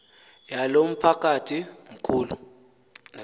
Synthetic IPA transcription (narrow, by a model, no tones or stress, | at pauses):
jalom̩pʰak̬ʼatʰiŋ̩kʰuːlṵ | n